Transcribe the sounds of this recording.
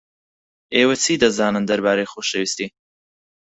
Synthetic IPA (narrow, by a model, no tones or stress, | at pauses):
eːwɐt͡sʰiːd̪ɐzaːnɨnd̪ɐɾbaːɾejxoːʃɐwiːst̪iː